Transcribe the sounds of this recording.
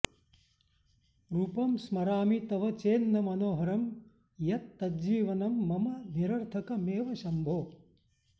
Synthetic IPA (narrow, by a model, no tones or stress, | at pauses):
ɾupɐmsmɐɾaːmit̪ɐʋɐt͡ʃeːnːɐmɐnoːɦɐɾɐm | jɐt̪ːɐd͡ʒiːʋɐnɐmːɐmɐniɾɐɾt̪ʰɐkɐmeːʋɐʃɐmbʱoː